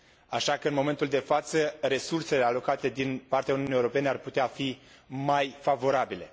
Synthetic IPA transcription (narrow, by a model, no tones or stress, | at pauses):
aʃakəɨnmo̞me̞nt̪uld̪e̞fat̪səre̞surse̞le̞alo̞kat̪e̞d̪inpart̪eaununijewɾo̞pe̞nearput̪eafi | majfavo̞ɾabile̞̰